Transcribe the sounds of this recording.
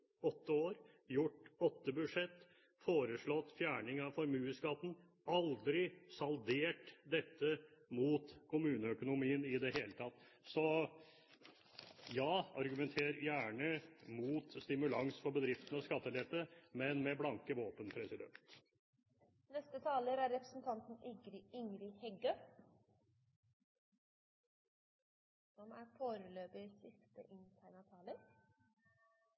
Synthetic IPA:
ɔt̪ːəoːɾ | jʊʈɔt̪ːəbʉd̪ʂɛt̪ː | foːɾəʂɭɔt̪ːfjæːɳɪŋɑʋfɔɾmʉːskɑt̪ːn̩ | ɑld̪ɾɪsɑld̪eːʈd̪ɛt̪ːəmuːt̪kʰʊmʉːnəœkʊnʊmiːənɪd̪ɛɦeːlət̪ʰɑt̪ː | sɔ | jɑːɑɾɡʉmɛnt̪ʰeːɾjæːɳəmuːt̪st̪ɪmʉlɑŋsfɔbəd̪ɾɪft̪ən̩ɑskɑt̪ːəlɛt̪ːəmɛnmɛblɑŋkəʋoːpənpʰɾɛsɪd̪ɛ̰nt̪ | nɛst̪ət̪ʰɑːləɾæɾːɛpɾə̥sn̩t̪ʰɑnt̪n̩ɪɡɾɪɪŋɾɪhɛɡø | sɔmæɾfoːɾəløːpəsɪst̪ə̰ʔɪnt̪ʰæːɳət̪ʰɑːləɾ

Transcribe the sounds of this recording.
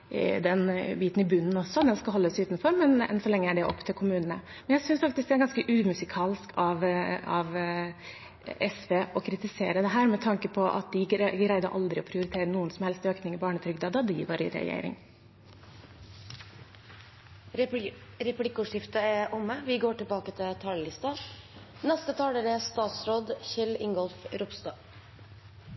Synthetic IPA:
d̪ɛnbiːt̪n̩ɪbʉnːn̩ɔsːɔd̪ɛnskɑɦɔlːəsʉːt̪nfɔɾmɛnɛ̰nsɔlɭɛŋːəæɖɛʔɔ̰pːt̪ʰɪlkʰʊmʉːnənə̰ | mɛnjæɪsʏnsfɑkt̪ɪsk̚d̪ɛæɾɡɑnskəʔʉːmʉsɪkʰɑːlskʰɑʋɑʋ | ʔɛsʋeːʔɔkʰɾɪt̪ɪseːɾəd̪ɛɦæːɾmɛt̪ʰɑŋkəpʰɔʔɑ̰t̪̚d̪ɪɡɾæɪd̪əɾʔɑ̰ld̪ɾɪɔpʰɾɪʊɾɪt̪ʰeːɾənuːənsɔmhɛlst̪øːknɪŋɪbɑːɳət̪ʰɾʏɡd̪ɑːd̪ɑd̪ɪʋɑɾɪ̰ɾɛ̰jḛɪɾɪ̰ŋ | ɾɛplɪkːʊːʂɪft̪əɛʔʊmːəʋɪɡoːʈɪlbɑːkət̪ʰɪlt̪ʰɑːləlɪst̪ɑnɛst̪ət̪ʰɑːleːɾəɛst̪ɑːt̪sɾoːd̪çɛlɪŋɡɔlfɾʊpst̪ɑː

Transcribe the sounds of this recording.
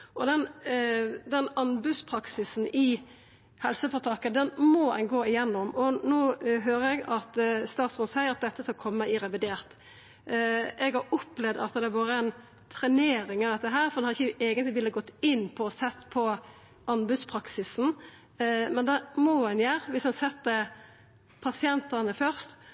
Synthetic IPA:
ʔɔd̪ɛn | d̪ɛnɑnbʉd̪spʰɾɑksɪsn̩ɪ | hɛlsəfɔɾt̪ʰɑːkəd̪ɛnmɔɛ̰nɡoːɪjɛnːɔmɔnoːɦøːɾəɛɡɑt̪st̪ɑːt̪sʊnshæɪɑt̪̚d̪ɛt̪ːəskɑlkʰɔmːəɪɾɛʋɪd̪eːʁt̪ | ɛɡhɑɾɔplɛʋd̪ɑ̰t̪d̪ɛʋɑːɾəɛn | t̪ʰɾɛneːɾɪŋɑʋd̪ɛt̪ːəɦæːɾfɔɾd̪ɛnhɑd̪ɪçːəeːɡənt̪lɪʋɪlːəɡɔt̪ːɪnːpʰɔsɛt̪ːpʰɔ | ɑnbʉd̪spʰɾɑksɪsn̩ | mɛnd̪ɛmɔɛnjæːɾʋɪsd̪ɛnsɛt̪ːə | pʰɑsɪɛnt̪ənəfœʁst̪

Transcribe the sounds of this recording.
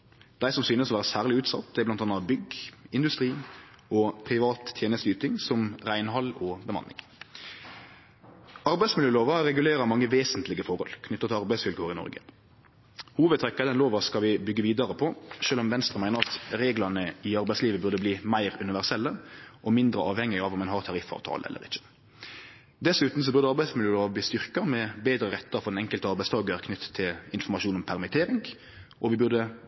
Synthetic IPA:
d̪̥æɪsɔmsyːnəsɔʋæːʁəsæːʁlɪʉːt̪sɑ̰t̪d̪ɛb̪ɑnt̪ɑnɑɑbʏɡɪnd̪ʉst̪ɾiː | ɔpʰɾɪʋɑːt̪ʰːjeːnəst̪ʉːt̪ɪŋsɔmʁæɪnɦɑlɔbəmɑ̰nːɪ̰ŋ | ɑɾbæɪsmɪljøːloːʋɑɾɛɡʉleːɾəmɑŋːəʋeːsənt̪lɪɡəfɔɾhɔ̰lkʰnʏt̪ːət̪ʰɪɑɾbæɪsʋɪlkʰoːəɾɪnɔ̰ɾɡə̰ | huːʋəd̪t̪ʰɾɛkːɑəd̪ɛnloːʋɑskɑʋɪbʏɡːəʋiːd̪ɑɾəpʰɔʃøːlɔmʋɛnst̪ʁəmæɪnəʁɑt̪ɾeːɡlɑnəɪɑɾbæɪsliːʋəbʉʁd̪əbliːmæɪɾʉnɪʋæʁsɛlːəʔɔmɪnd̪ɾə̰ɑːʋhɛŋːɪɡɑːʋɔmɛnɦɑʁt̪ʰɑʁɪfɑ̰ːʋt̪ʰɑ̰ːləɛ̰lːə̰ɾɪçə̥ | d̪ɛsʉːt̪n̩s̬ɔbʉʁd̪əɑɾbæɪsmɪluəbliːst̪ʏʁkɑmɛbeːd̪ɾəʁɛt̪ːəɾfɔʁd̪ɛnɛŋkəlt̪əɑɾbæɪst̪ʰɑːɡəɾkʰnʏt̪ʰːə̥t̪ʰːɪlɪnfɔɾmɑʂuːnɔmpʰæʁmɪt̪ʰeːɾɪŋ | ʔɔʋɪbʉʁd̪ə

